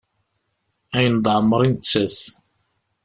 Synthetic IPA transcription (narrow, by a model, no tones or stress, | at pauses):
æjənd̪ˤʕəmːəɾˤint͡sːæs